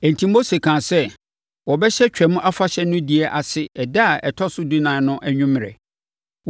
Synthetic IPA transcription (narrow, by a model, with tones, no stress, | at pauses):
æ̃˨n̩˨tʰĩ˦m˦o˦se˨kʰãː˨sɛ˦ | wɔ˨bɛ˦ɕɛ˦t͡ɕᶣɛ˨mʊ̃˦ʔa˦fa˦ɕɛ˦nʊ̃˦di˨ɛ˦ʔa˨sɪ˦ɛ˨da˦˨ɛ˨tʰɔ˦sʊ˦di˦nã˨nʊ̃˦ʔæ˦ɲᶣũ˦m˨ɛ̰˨